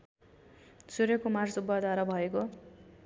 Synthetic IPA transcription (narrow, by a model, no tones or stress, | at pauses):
t͡suɾjekomarsubʌd̪waɾabʱʌeko